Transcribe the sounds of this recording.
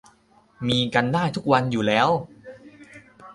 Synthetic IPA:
miː˧ka˧ndaː˥˩jt̪ʰu˦˥k̚wa˧njuː˨˩lɛː˦˥w

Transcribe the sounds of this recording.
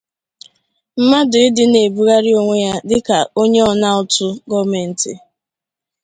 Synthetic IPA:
m̩˦ma˦dʊ˨ɪ˦dɪ˦ne˨bu˦ɾa˦ɾɪ˦o˦ŋʷe˦ja˦dɪ˦ka˨o˦ɲe˦ɔ˨na˦ɔ˦tʊ˦ɡɔ˦me˨n̩˨tɪ̰˨

